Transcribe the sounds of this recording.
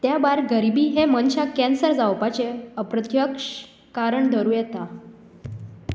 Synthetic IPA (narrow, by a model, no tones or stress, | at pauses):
t̪jabaɾɡəɾibiːɦemənt͡ɕakɛnsəɾd͡zawpat͡ɕeəpɾət̪jəkʂ | kaɾəɳd̪ʱəɾuːjɛt̪a